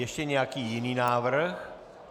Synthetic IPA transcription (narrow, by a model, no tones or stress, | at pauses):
jɛʃcɛɲɛjakiːjɪniːnaːvr̩x